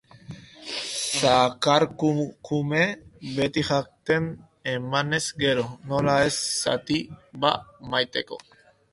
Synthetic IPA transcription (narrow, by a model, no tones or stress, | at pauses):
sakaɾkukumebe̞t̪iʝak̚t̪e̞n | emane̞zɡe̞ɾo̞no̞lae̞sːa̰t̪iba̰majt̪e̞ko̞̰